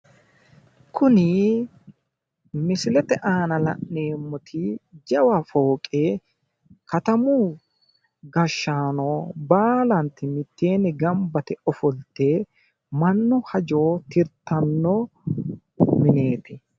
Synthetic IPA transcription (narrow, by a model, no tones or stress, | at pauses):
kʰʊnɪ | mɪsɪlɛt̪ɛʔaːnɐlɐ̰ʔːeːmːɔt̪ʰɪd͡ʒɐwɐfoːkʼe | kɐt̪ɐmu | ɡɐʃːaːnoːbaːlɐnt̪ɪmɪt̪ːeːnɪɡɐmbɐt̪ɛɔfɔlt̪ːe | mɐnːʊhɐd͡ʒoːt̪ɪɾt̪ːɐnːɔ | mɪne̞ːt̪ɪ